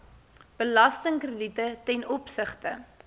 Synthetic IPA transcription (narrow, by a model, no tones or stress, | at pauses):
b̥əlɐstəŋkrəditətɛnɔpsəχtə